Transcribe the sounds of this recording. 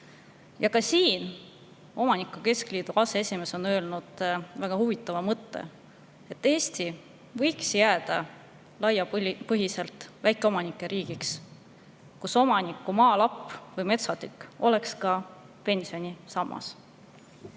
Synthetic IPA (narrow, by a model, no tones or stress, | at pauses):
jɑkɑsiːn | o̞mɑnikˑːuke̞skliːd̪̥uɑsee̞sʲime̞ːso̞nø̞ːlnud̪̥væɡ̥ɑhuvit̪ːˑɑvɑmɤt̪ˑːe̞̰ | e̞t̪ːe̞ːst̪i | vɤjksjæːd̪̥ɑ | lɑjɑpɤɦise̞lt̪ˑvæjkːˑeo̞mɑnikːˑe̞ɾʔiːɡ̥iks | kuso̞mɑnikːˑumɑːlɑpːˑvɤjme̞t̪sɑt̪ykːˑo̞lekskɑ | pe̞nsio̞nʲisɑmːɑ̰s